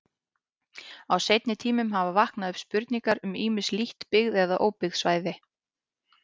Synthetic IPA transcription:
awsejt̪nɪt̪ʰiːmʏmɦavavahknaðʏpspʏɾt̪niŋkaɾʏmiːmɪsliht̪pɪɣðɛðaʔoːwpɪɣðsvaːjðɪ

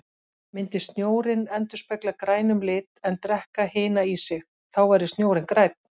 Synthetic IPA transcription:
mɪnt̪ɪ̥st̪njoːwɾɪnɛnt̪ʏ̥spɛklakɾaːjnʏmlɪːt̪ɛnt̪ɾɛhkahɪːnaisɪx | θawvaɾðɪst̪njoːwɾɪnkɾaːjt̪̚n̥

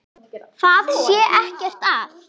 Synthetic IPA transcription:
θaðsjɛːʔɛhcɛr̥t̪af

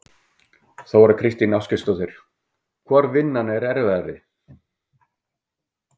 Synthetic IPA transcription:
θawvaɾʏkʰɾɪst̪inawskɪst̪ɔθɪɾ̥ | kʰvɔɾvɪnːanɪɛɾɛɾvɛðaɾɪ

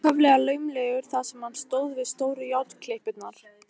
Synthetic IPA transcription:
œvlɛɣalœːɥmlɛːɣʏɾ̥θaðsɛmhanːst̪oːwðvɪðst̪oːwɾʏjawt̪kʰlehpɪt̪naɾ̥

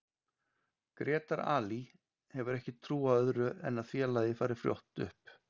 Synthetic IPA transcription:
kɾʔɛːt̪aɾa̰ːli | hɛvʏɾɛhcɪt̪ʰɾuːaœðɾʏɛ̰nːaðfjɛːlajðɪfaːɾɪɾ̥fɾjo̰wht̪ʏ̰hp

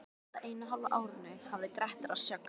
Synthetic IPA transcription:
t̪aʔejnaɦallaʔaːwɾɪnːʏhavðɪkɾɛht̪aɾasjœk

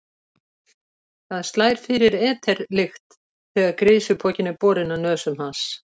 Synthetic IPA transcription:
θað̥st̪laːjɾ̥fɪɾɪɾɛːt̪ʰɛɾlɪxt̪ | θɛːɣaðkɾeːjsʏpʰɔːcɪnɪpɔːɾɪnːanœːsʏmhans

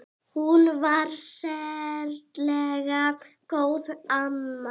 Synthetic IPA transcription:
hunvaɾsɛɾt̪lɛɣa | koːwðamːa

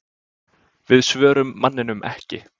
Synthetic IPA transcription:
vɪðsvœːɾʏmːanːɪnʏmʔɛ̰hcɪ

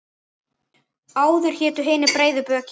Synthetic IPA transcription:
aːwðʏɾ̥çɛːt̪ʏɦɪːnɪpɾeːjðʏpœːc

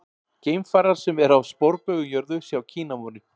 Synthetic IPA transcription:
ceːjmfaːɾaɾ̥sɛmɛɾawspoɾpœɣʏjœɾðʏsjaːwcʰiːnamɔnɪ

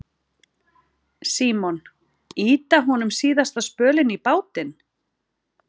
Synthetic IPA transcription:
siːmɔn | iːt̪aɦɔnʏmsiːðast̪aðspœːlɪnipaːwt̪ɪn

